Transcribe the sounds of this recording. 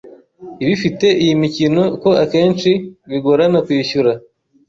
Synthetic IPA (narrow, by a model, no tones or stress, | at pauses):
iβifite̞ʔijimicino̞ko̞ake̞ːnt͡ʃiβiɡoɾanakwiːʃuɾa